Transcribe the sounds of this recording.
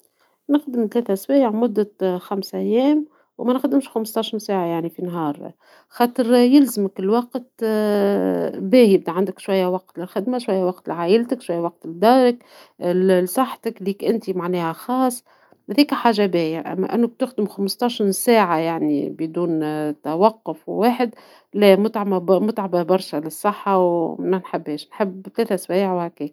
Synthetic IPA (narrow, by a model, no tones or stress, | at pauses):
nɪxd̪ɪmt̪lɛːt̪æswæːjʕmʊd̪ːæxamsʔæjːɛːm | wmænxd̪ɪmʃxamst̪ˤɑʃənsæːʕajaʕnifinɦɑːɾˤ | xɑːt̪ˤɨɾjɪlzɪmɪkɪlwɑqt̪ | bæːjɪb̚d̪iʕand̪ɪkʃwæjːawɑq̚t̪lɪlxɪd̪maʃwæjːawɑqt̪ɪlʕaːʔɪlt̪ɪkʃwæjːwɑq̚t̪ɪd̪ɑːɾˤək | sˤɑħːt̪əkliːkʔɪnt̪imaʕnɛːhæxɑːsˤː | hæðiːkħaːʒabeːjaʔæ̰mːæ̰ʔɪ̰nːʊb̚t̪ʊxd̪ɪmxamst̪ˤɑʃɾsæːʕajaʕnḭbɪd̪uːnt̪awɑqːʊfwwaːħɪd̪ | læmʊt̪ʕamamʊt̪ʕababɑɾˤʃalɪsˤːɨħːɑwmænħɪbːeːʃnħɪbːt̪lɛːt̪æswæːʕwhækeːk